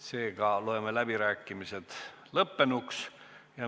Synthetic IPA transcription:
se̞ːɡ̥ɑloemelæb̥iɾæːkːˑimise̞t̪ | lɤpːe̞nuksjɑ

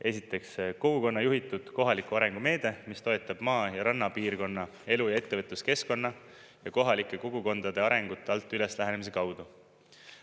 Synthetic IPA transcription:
e̞sit̪ːˑe̞ksko̞ɡ̥uko̞nːɑjuɦit̪ːˑud̪̥ko̞ɦɑlikˑuɑɾe̞ŋɡ̥ume̞ːd̪̥e̞mist̪o̞et̪ˑːɑb̥mɑːjɑɾɑnːɑpiːrko̞nːɑ | e̞lujɑe̞t̪ːe̞vɤt̪luske̞sko̞nːɑ | jɑko̞ɦɑlikːˑe̞ko̞ɡ̥uko̞nd̪̥ɑd̪̥e̞ɑɾe̞ŋɡ̥ut̪ːˑeɑlt̪ːˑyleslæɦæne̞mis̬e̞kɑwd̪u

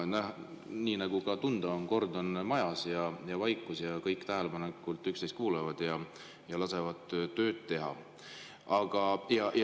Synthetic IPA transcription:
nɑh | niːnɑɡ̥ukɑt̪und̪̥ɑonko̞rd̪̥o̞nmɑjɑsjɑjɑvɑjkˑːusjɑkɤjkːˑt̪æɦele̞pɑnekːˑult̪ːˑykst̪es̚kuːlevɑd̪̥jɑ | jɑlɑse̞vɑd̪̥t̪ːø̞ːd̪̥t̪e̞ɦɑ̰ | ɑɡ̥ɑjɑj

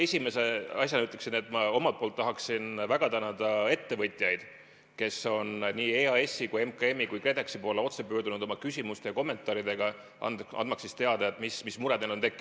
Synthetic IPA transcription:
e̞sʲime̞se̞ɑsʲjɑnyt̪ːˑleksine̞t̪ːˑmɑo̞mɑlt̪̚polt̪ːɑɦɑksinvæɡ̥ɑt̪ænɑd̪̥ɑe̞t̪ːe̞vɤt̪ʲˑjɑjd̪̥ | ke̞so̞nniːeɑe̞sːikuje̞mkɑe̞mːikujkre̞d̪eksipo̞leo̞t̪se̞pø̞ːrɾd̪unud̪̥o̞mɑkysʲimust̪e̞jɑko̞mːe̞nt̪ˑɑːɾid̪̥e̞ɡ̥ɑ | ɑ̰nɑ̰nd̪̥mɑksːist̪e̞ɑd̪ɑet̪mismismuɾɛd̪nelo̞nt̪e̞kˑːi̥

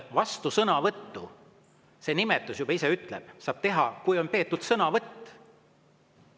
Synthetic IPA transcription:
vɑst̪usɤnɑvɤt̪ːu | se̞ːnimet̪ːˑusjubɑiseyt̪ˑlḛb̥̚sɑːb̥̚t̪e̞ɦɑkujo̞npe̞ːt̪ːˑud̪̥sɤnɑvɤt̪ː

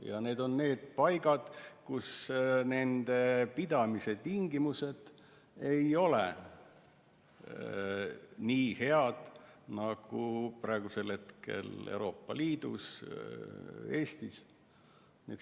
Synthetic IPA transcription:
jɑ̰ne̞ːd̪o̞nne̞ːd̪̥̚pɑjɡ̥ɑd̪̥kusne̞nd̪̥e̞pid̪̥ɑmise̞t̪iŋɡimuse̞d̪̥ | e̞jo̞lḛ | niːhe̞ɑd̪̥nɑɡ̥uprɑeɡ̥use̞lhe̞t̪ke̞̰lḛuwɾo̞ːpːɑ̰liːd̪̥ṵs | e̞ːst̪is | nḛːt̪

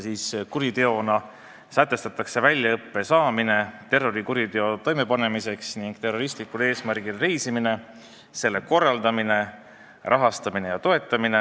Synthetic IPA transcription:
siːskuɾit̪e̞o̞nɑ | sæt̪ːˑe̞st̪ɑt̪ːˑɑkse̞vælʲjɑɤpːe̞sɑːmine̞t̪e̞rːo̞ɾikuɾit̪e̞o̞t̪o̞jme̞pɑne̞mise̞ksniŋɡ̥̚t̪e̞rːo̞ɾist̪likule̞ːsmæɾɡ̥ilɾe̞jsimine̞ | se̞lːe̞ko̞rːɑld̪ɑmine̞ | rʔɑɦɑst̪ɑminejɑt̪o̞e̞t̪ːˑɑmine

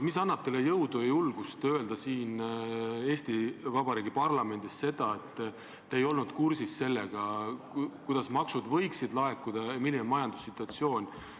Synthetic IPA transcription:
misɑnːɑb̥t̪elːejɤwd̪ujulɡ̥ust̪ø̞e̞ld̪̥ɑsiːn | e̞ːst̪ivɑbɑɾiːɡipɑrlɑme̞nd̪̥isse̞d̪̥ɑe̞t̪ːˑ | eejo̞lnud̪̥kursisːe̞lːe̞ɡ̥ɑ | kujd̪̥ɑsmɑksud̪vɤ̞jksid̪lɑe̞kːˑud̪̥ɑeminemɑjɑnd̪̥u̥sːit̪ːˑuɑt̪sio̞ːnʲ

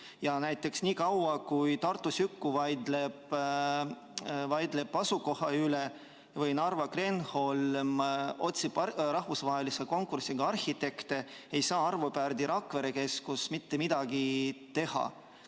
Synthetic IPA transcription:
jɑnæjt̪ːˑe̞ksniːkɑwɑkujt̪ɑrt̪ːˑusykːuvɑjd̪leb̥ | vɑjd̪le̞pːɑsuko̞hɑyle̞ | vɯjnɑrvɑkre̞nholmo̞t̪sibɾɑhvusvɑɦe̞liseko̞ŋkːursiɡ̥ɑɑrhit̪e̞kt̪e̞e̞jsɑːɑrvopærd̪iɾɑkve̞ɾeke̞skusmit̪ːemid̪̥ɑɡit̪e̞hɑ̰

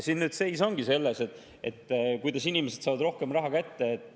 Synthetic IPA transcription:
sinːnyːd̪se̞jso̞ŋɡ̥ise̞lːeset̪ˑ | ḛt̪ːkujd̪ɑsinimese̥sɑːvɑd̪ɾo̞hke̞mrɑɦɑkæt̪ːe̞ːt̪ːˑ

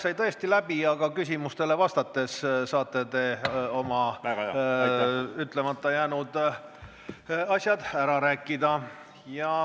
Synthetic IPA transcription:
sɑjt̪ɤest̪ilæb̥iɑɡ̥ɑkysʲimust̪e̞le̞vɑst̪ɑt̪ːe̞ssɑːt̪ːˑe̞t̪e̞o̞mɑ | yt̪ːˑle̞mɑt̪ːɑjæːnud̪ | ɑsʲjɑd̪̥æɾɑɾæːkːˑid̪ɑ | jɑ

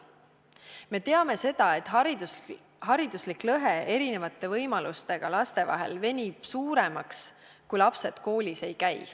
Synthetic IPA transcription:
me̞t̪e̞ɑme̞se̞d̪̥ɑe̞t̪ːˑ | hɑɾid̪̥usliklɤɦeʔe̞ɾine̞vɑt̪ːˑe̞vɤjmɑlust̪e̞ɡ̥ɑlɑst̪e̞vɑ̰ɦe̞̰lve̞nʲib̥suːɾe̞mɑks | kujlɑpse̞d̪̥ko̞ːlʲise̞jkæj

